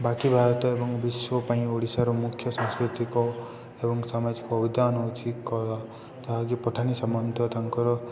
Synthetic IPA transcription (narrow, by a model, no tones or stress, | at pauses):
bakibʱaɾɔt̪ɔebɔŋbiswɔpaĩoɽisaɾomukʰːjʌsɔ̃ŋskɾit̪iko | ebɔŋsamad͡zikoːbid̪anɔut͡sʰikkɔla | t̪aɦaɡipɔʈʰanisʌmʌnd̪ʱɔt̪aŋkɔɾɔ